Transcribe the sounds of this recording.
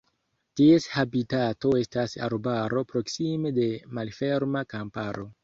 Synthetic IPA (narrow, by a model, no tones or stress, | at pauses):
tie̞shabitato̞e̞stasa̰ɾbaɾo̞pɾo̞ksime̞de̞malfe̞ɾmakampaɾo̞